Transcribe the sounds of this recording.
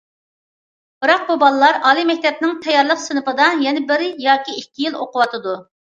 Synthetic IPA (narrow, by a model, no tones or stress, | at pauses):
bɨɾɑq̚bubɑlˠlˠɑɾɑːlˠimɛk̚ʲt̪ʰɛp̚nɪŋt̪ʰɛjɑɾlˠəqsɨnɨpɨd̪ɑjɛnɛbɪɾɪjɑːkʲiikʲːijilˠo̰qʊwɑt̪ɨd̪u